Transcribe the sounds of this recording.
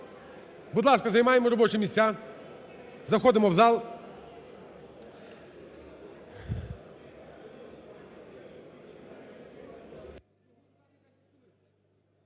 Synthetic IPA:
bʊd̪lˠaskɐzɐjʲɪmajɪmɾɐbot͡ʃɪmʲɪsʲt̪ʲa | zɐxɔd̪ɪmɐvzalˠ

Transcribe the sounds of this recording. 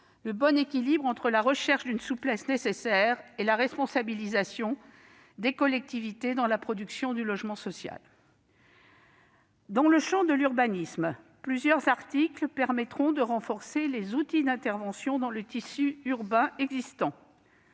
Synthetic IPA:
ləbɔnekʲilibʁɑ̃t̪χəlaʁəʃɛʁʃd̪ynsuplɛsnesesɛʁelaʁɛspɔ̃sabilizasjɔ̃ | d̪ekɔlɛk̚t̪ivit̪ed̪ɑ̃lapχɔd̪yksjɔ̃d̪ylɔʒmɑ̃sɔsja̰l | d̪ɑ̃ləʃɑ̃d̪əlyʁbanism | plyzjœʁzaʁt̪ikləpɛʁmɛt̪χɔ̃d̪əʁɑ̃fɔʁselezut̪id̪ɛ̃t̪ɛʁvɑ̃sjɔ̃d̪ɑ̃lət̪isyyʁbɛ̃ɛɡzist̪ɑ̃

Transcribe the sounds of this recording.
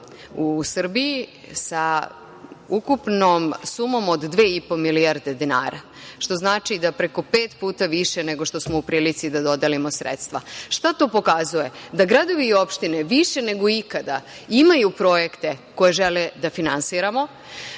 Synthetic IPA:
usr̩biji | sa | ukupnomsumo̞mod̪d̪ʋe̞ːipo̞miliaɾd̪e̞d̪ina̰ːɾa | ʃt̪o̞znaːt͡ʃid̪apɾeko̞peːt̪puːt̪aʋiʃene̞ɡo̞ʃt̪o̞smoupɾiːlit̪sid̪ad̪o̞d̪elimo̞sɾḛt̪st̪ʋaʃt̪at̪o̞ːpo̞kazuje̞d̪aɡɾad̪o̞ʋiːo̞pʃt̪ineʋiʃene̞ɡoikad̪a̰ | imajupɾo̞je̞kt̪eko̞jeʒeled̪afinansiːɾamo̞

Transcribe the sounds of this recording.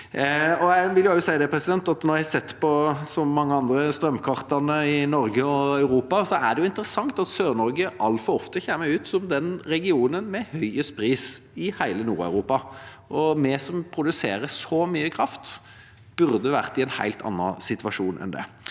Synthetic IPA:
ɔæɪʋɪljʊɑʊsæɪəd̪ɛpʰɾɛsɪd̪ɛnt̪ɑt̪nɔɾjæhɑsɛt̪ːpɔsɔmːɑŋːəɑnd̪ɾəst̪ɾœmkʰɑʁt̪ɑnəɪnɔɾɡəɔɑʉɾuːpɑsɔæd̪ɛjʊɪnt̪əɾəsɑŋt̪ɑt̪søːɾnɔɾɡəʔɑlt̪fɔɾɔft̪əçeːməʉːt̪sɔmd̪ɛnɾɛɡɪuːnənmɛhœʏəspʰɾiːsɪhæɪlənṵːɾɑ̰ʉɾuːpɑ | ʔɔmɛsɔmpʰɾʊd̪ʉsḛːɾəsɔmyːəkʰɾɑft̪ | b̥ʉɾd̪əʋæʁt̪ɪɛnhæ̰ɪlt̪ʰɑ̰nːɑ̰sɪt̪ʋɑʂuːnʔɛ̰nd̪ɛ̰

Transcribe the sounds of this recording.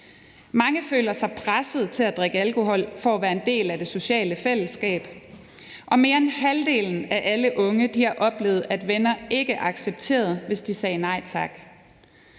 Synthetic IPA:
mɑ̈ŋəfø̰ːlɐsɑ̈ɪpʰʁasəð̩ˠt͡sʰe̝læd̥ʁɛɡ̥əælkʰo̝ɦɒ̽l̰fɒæʋæːɐe̝nd̥e̝̰ːlæd̥e̝so̝ɕɛ̰ːləfel̰əsɡ̥ɛ̰ːb̥ | ʔɒ̽me̝ːɐe̝nhæld̥e̝̰ːln̩æʔæləʔɔ̽ŋəd̥ihɑʔɒ̽b̥le̝̰ːð̩ˠæd̥ʋenɐe̝ɡ̥əʔɑ̈ɡ̥seb̥̚t͡sʰe̝̰ːɐð̩ˠʋe̝sd̥isɛːnɑ̈ɪt͡sʰɑ̈ɡ̥

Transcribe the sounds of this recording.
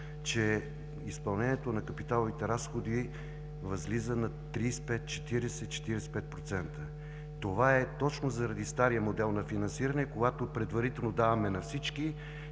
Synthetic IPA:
t͡ʃɛ | ispɐlˠnɛnʲɛt̪onɐkɐpit̪alˠovit̪ɛɾasxod̪i | vɐzlizənɐt̪ɾiːspɛt̪̚t͡ʃɛ̥t̪iɾɛsɛt͡ʃɛ̥t̪iɾɛsɛ̥pɛt̪̚pɾot̪sɛnt̪ə | t̪ovaɛt̪ɔt͡ʃnozɐɾɐd̪ist̪aɾijəmod̪ɛlˠnɐfinɐnsiɾənɛkoɡat̪opɾɛd̪vɐɾit̪ɛlˠnod̪avɐmɛnɐfsit͡ʃki

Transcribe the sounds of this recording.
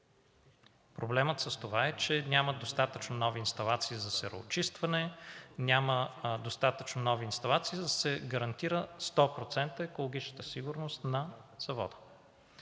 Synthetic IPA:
pɾoblɛmət̪səst̪ovaɛt͡ʃɛnʲaməd̪ost̪at̪ət͡ʃnonɔviːnst̪ɐlˠat̪siːzɐsɛɾo̰ːt͡ʃist̪vɐnɛnʲaməd̪ost̪at̪ət͡ʃnonɔviːnst̪ɐlˠat̪siːd̪ɐsɛɡɐɾɐnt̪iɾəst̪ɔpɾot̪sɛnt̪əɛkolˠoɡ̟it͡ʃnət̪əsiɡʊɾnost̪nɐz̥ɐvɔ̰d̪ə̥

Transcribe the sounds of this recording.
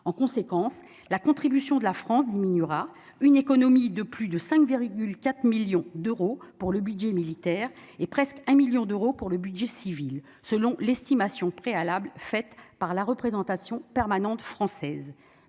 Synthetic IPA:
ɑ̃kɔ̃sekɑ̃s | lakɔ̃t̪χibysjɔ̃d̪əlafχɑ̃sd̪iminyʁa | ynekɔnɔmid̪əplyd̪əsɛ̃kviʁɡʲylkʲat̪χmiljɔ̃d̪øʁopuʁləbyd̪ʒɛmilit̪ɛːʁ | epχɛskɛ̃miljɔ̃d̪øʁopuʁləbyd̪ʒɛsivil | səlɔ̃lɛst̪imasjɔ̃pχealablfɛt̪paʁlaʁəpχezɑ̃t̪asjɔ̃pɛʁmanɑ̃t̪fχɑ̃sɛːz

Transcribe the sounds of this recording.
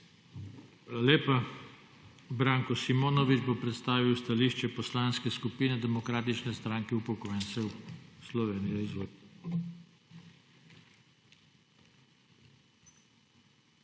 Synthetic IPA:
aːlaleːpa | bɾaːŋkɔsimoːnɔʋid͡ʒbopɾɛt̪st̪aːʋiwst̪aliːʃt͡ʃɛpɔslaːnskɛskupiːnɛd̪ɛmɔkɾaːt̪it͡ʃnɛst̪ɾaːŋkɛwpɔkɔjɛnsɛwslɔʋeːnijɛizʋoː

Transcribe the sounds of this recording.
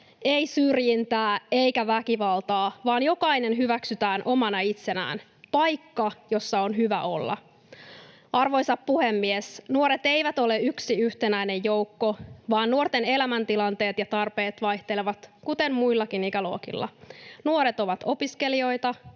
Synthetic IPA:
e̞isyrjint̪æːe̞ikæʋækiʋɑlt̪ɑːʋɑːnjo̞kɑinenɦyʋæksyt̪æːnʔo̞mɑnɑit̪se̞næ̰ːn | pɑjkːɑjo̞sːɑonɦyʋæ̰ʔo̞lːɑ̰ | ɑrʋo̞jsɑppuhemːiesnuoɾet̪e̞jʋæt̪o̞le̞yksiyht̪enæine̞jjo̞wkːo̞ʋɑːnːuort̪ene̞læmænt̪ilɑnt̪e̞ːt̪jɑt̪ɑrpe̞ːt̪ʋɑjht̪eleʋɑt̪kut̪emmuilːɑkiniːkæloːkḭlːɑ̰nuoɾet̪o̞ʋɑt̪o̞piske̞lio̞it̪ɑ

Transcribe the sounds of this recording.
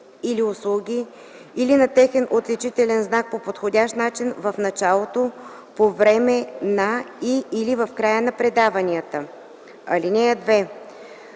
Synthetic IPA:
iliʊslˠuɡʲi | ilinɐt̪ɛxɛnʔot̪lit͡ʃit̪ɛlɛnznak̚popot̪xodʲaʃt̪nat͡ʃinvəfnɐt͡ʃalˠot̪o | povɾɛmɛnaiːlivəfkɾajənɐpɾɛd̪avɐnʲiət̪ə | ɐlinɛɛd̪vɛ

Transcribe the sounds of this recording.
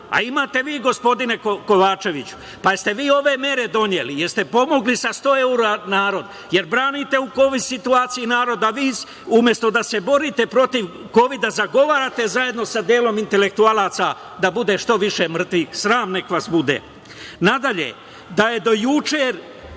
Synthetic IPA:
a̰imaːt̪e̞ʋiːɡo̞spo̞d̪ine̞koko̞ʋaːt͡ʃe̞ʋit͡ɕu̥ | past̪e̞ʋiːo̞ʋe̞me̞ɾe̞d̪o̞njelijeɾst̪e̞po̞mo̞ɡlisast̪o̞ːeuɾanaːɾo̞d̪ | jeɾbɾaːnit̪e̞uko̞ʋid̪sit̪uaːt̪sijinaːɾo̞d̪aʋiːs | umje̞st̪o̞d̪ase̞bo̞ɾit̪epɾo̞t̪iʋ | ko̞ʋid̪azaɡo̞ʋaːɾat̪e̞zaje̞d̪no̞sad̪jeːlo̞mint̪e̞le̞k̚t̪ualˠaːt̪sa | d̪abud̪e̞ʃt̪o̞ʋiʃemr̩t̪ʋixsɾaːmne̞kʋasbud̪ḛ | nad̪aʎḛ | d̪aje̞d̪o̞jut͡ʃeɾ

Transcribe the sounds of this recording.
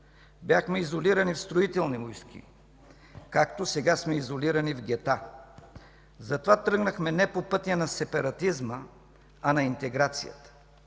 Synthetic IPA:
bjaxmɛizoliɾɐnifst̪ɾoit̪ɛlˠnimojskḭ | kakt̪osɛɡasmɛizoliɾɐnivɡʲɛt̪a | zɐt̪ovat̪ɾɤɡnəxmɛnɛpopɤt̪ijɐnɐsɛpɐɾɐt̪izmə | ɐnɐint̪ɛɡɾat̪sḭjə̰t̪ə̥

